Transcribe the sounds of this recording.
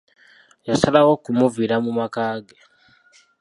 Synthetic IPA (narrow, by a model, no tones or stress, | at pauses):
jasalawokumuviɾamumakaːɡe